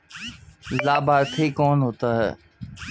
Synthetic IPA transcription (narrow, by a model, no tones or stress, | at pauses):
laːbaːɾt̪ʰiːkoːnɦoːt̪aːɦɛ̰ː